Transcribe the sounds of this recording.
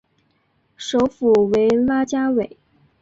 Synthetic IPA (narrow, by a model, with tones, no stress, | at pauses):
ʂo˧˥ʊfu˨˩we˧˥ɪla˥t͡ɕja˥we˨˩ɪ